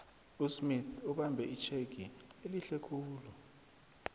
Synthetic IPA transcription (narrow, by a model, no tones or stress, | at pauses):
usmiθuɓambʱɛit͡ʃʰek̬ieliɬɛkʰuːlɔ